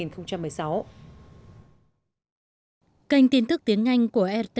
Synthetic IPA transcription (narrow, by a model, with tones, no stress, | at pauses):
i˨˩nxə˧wŋ͡mt͡ɕa˧mːɨ˨˩əjsa˨˦w | kə˧˩jŋ̟t̪i˧nt̪ɨ˦˥k̚t̪i˨˦əŋːa˧jŋ̟ku˧˩əʔɛ˧t̪